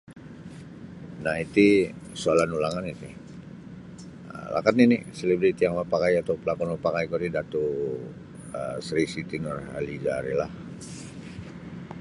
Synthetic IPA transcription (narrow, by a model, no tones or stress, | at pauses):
naɦit̪i | soalanulaŋanit̪i | ə̰la̰kat̪̚ninɪ̰selibɾit̪iaŋwapakajat̪aupəlakɔnɔpakajkoɾidat̪u | əsɾisit̪inɔrɦalid͡ʒaɾḭlah